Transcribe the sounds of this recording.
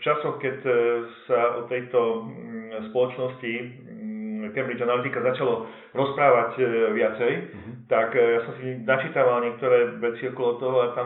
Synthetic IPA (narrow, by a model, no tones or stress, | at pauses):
ft͡ʃasɔxkɛcsaʔɔt̪ɛjt̪ɔ | spɔlɔt͡ʃnɔsci | kɛmbɾid͡ʒanalit̪ikazat͡ʃalɔ | ɾɔspɾaːʋacʋɪat͡sɛj | t̪akjasɔmsinat͡ʃit̪aʋalɲɪɛk̚t̪ɔɾɛːʋɛt͡siɔkɔlɔt̪ɔɦɔat̪a